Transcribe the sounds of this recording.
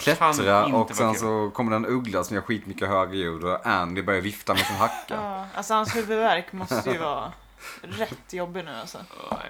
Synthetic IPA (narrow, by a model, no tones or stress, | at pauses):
kʰlɛɾaɔksɛnsɔkʰɔmːd̪ɛnɵɡlasɔmjahaɾɧiːt̪mʏkːəɦœːɡəjuːd̪ɔʔɛnd̪ɪbœɾjaɾjɪft̪amɛjsɪnɦakːaʔa̰lsɔhanshʉːvəd̪væɾkmɔst̪əjʉvɑː | ɾɛt̪ːjɔbːɪnʉ̟ːa̰lsɔ̰